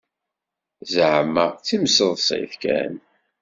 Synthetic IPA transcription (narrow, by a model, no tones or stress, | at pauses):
zʕəmːət͡sːimsəðˤsˤḛθkæ̰n